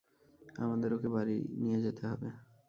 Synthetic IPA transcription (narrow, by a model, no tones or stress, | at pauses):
a̰mad̪eɾokebaɾḭnijed͡ʑet̪eɦɔbe